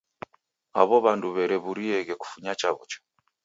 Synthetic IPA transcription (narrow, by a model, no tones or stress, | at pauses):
a̰βɔβanduβɛɾɛβuɾiɛɣɛku̥fuɲat͡ʃaβṵt͡ʃɔ̥